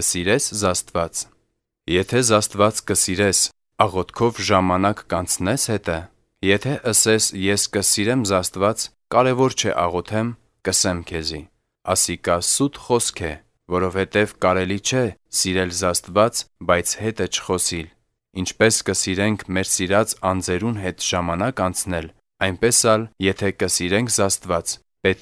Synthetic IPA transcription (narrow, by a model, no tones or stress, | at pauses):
əsiɾɛszɑst̪vɑt͡s | jɛt̪ʰɛzɑst̪vɑt͡skəsiɾɛs | ɑʁɔt̪ʰkʰɔvʒɑmɑnɑkːɑnt͡sʰnɛshɛt̪ə | jɛt̪ʰɛʔəsɛsjɛskəsiɾɛmzɑst̪vɑt͡s | kɑɾɛvɔɾt͡ʃʰɛ̰ʔɑʁɔt̪ʰɛm | kəsɛmkʰɛzi | ɑsikɑsut̪χɔskʰɛ | vɔɾɔvhɛt̪ɛvkɑɾɛlit͡ʃʰɛsiɾɛlzɑst̪vɑt͡sbɑjt͡sʰhɛt̪ət͡ʃʰə̥χɔsil | int͡ʃʰpɛskəsiɾɛŋkʰmɛɾsiɾɑt͡sɑnd͡zɛɾunɦɛt̪ʒ̥ɑmɑnɑkɑnt͡sʰnɛl | ɑjnpɛsɑljɛt̪ʰɛkəsiɾɛŋkʰzɑst̪vɑt͡s | pɛt̪̚